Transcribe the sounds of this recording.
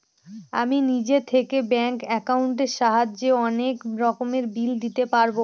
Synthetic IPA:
a̰minid͡ʑet̪ʰekebɛŋkɛkauɳʈeɾʃaɦad͡ʑd͡ʑeɔnekɾɔkomeɾbild̪it̪epaɾbo

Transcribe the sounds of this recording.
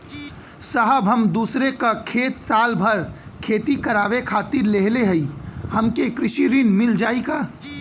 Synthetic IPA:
səɦəbʱɦəmd̪uːsɾekakʰeːt̪saːlbʱəɾkʰeːt̪ikəɾaːʋekʰaːt̪ɪɾleɦleɦəihəmkekɾɪʃiɾinmɪld͡ʒaːikaː

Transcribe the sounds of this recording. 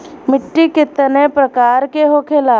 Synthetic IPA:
mɪʈːikɪt̪ənepɾəkaːɾkeɦokʰelaː

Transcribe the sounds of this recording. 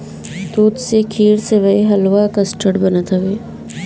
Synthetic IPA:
t̪uːt̪sekʰiːɾseʋɐeɦɐlʋakɐsʈʰəɽbɐnat̪ʰɐʋeː

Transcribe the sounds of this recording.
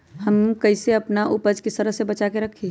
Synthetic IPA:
ɦɐmkɐɪseɐpnaʔʊpəd͡ʒkist̪əɾəɦsebɐt͡ʃakeɾɐkʰːi

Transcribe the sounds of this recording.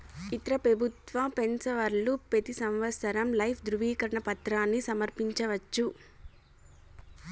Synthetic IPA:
it̪ɾɐpɾɐbʱut̪ʋɐpensɐʋɐɾlupet̪isɐmʋɐsɐɾɐmlɐjpʰd̪ɾuʋiːkɐɾɐɳɐpɐt̪ɾaːnːisɐmɐɾpiɲt͡ʃɐʋɐt͡ʃːu

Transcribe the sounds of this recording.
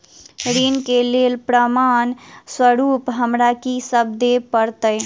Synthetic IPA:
ɾinkelelpɾəmanswəɾupɦəmɾakisəb̚d̪epəɾt̪əj

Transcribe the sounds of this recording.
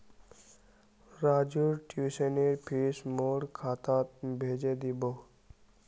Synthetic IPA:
ɾad͡ʒuɾʈuseneɾpʰismoɽkʰat̪at̪bʱed͡ʒed̪ibo

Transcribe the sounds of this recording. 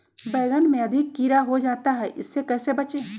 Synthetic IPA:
bɛːɡənmẽɐd̪ʱɪkːiːɾaɦod͡ʒaːt̪aɦɛʔɪsːekɛːsebɐt͡ʃeː

